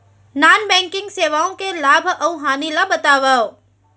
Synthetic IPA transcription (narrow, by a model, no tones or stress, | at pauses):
naːnbɛ̃ːŋkɪ̃ŋɡseːʋaːõkelaːbʱɐuɦaːnilabɐt̪aːʋao